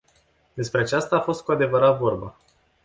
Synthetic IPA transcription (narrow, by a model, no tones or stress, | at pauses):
d̪e̞spɾe̞at͡ʃast̪aːfo̞st̪̚kuad̪e̞vəɾat̪vo̞rba̰